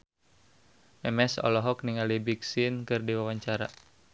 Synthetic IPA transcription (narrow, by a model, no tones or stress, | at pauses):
mɛmɛsɔ̰lɔɦɔk̚niŋalibiksinkɨrdiwawaɲt͡ʃaɾa